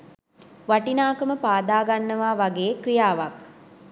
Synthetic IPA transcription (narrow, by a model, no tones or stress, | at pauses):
ʋaʈinaːkəməpaːd̪aːɡanːəʋaːʋaɡeːkrijaːʋak